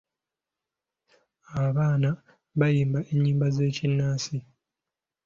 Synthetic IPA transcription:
aβaːna | βajiːmbaʔe̞ɲːiːmbaze̞ːcinːaːsi

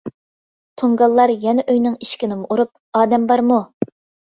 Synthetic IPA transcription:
t̪ʰoŋɡɑlˠːɑɾjɛnɛʔøjnɪŋiʃkʲinɪmʔuɾup̚ | ɑːd̪ɛmbɑɾmu

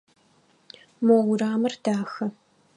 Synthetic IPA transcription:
mɐwraːmɐrd̥aːxɐ

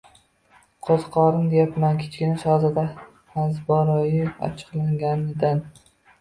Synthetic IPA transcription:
qʰozqʰɒɾɪmd̪ejapmankʲʰɪ̥t͡ʃkʲɪnɪʃɒzɪd̪a | azbɒɾɒjɪɒ̰t͡ʃʰɨ̥qlˠaŋɡʲanɪd̪an

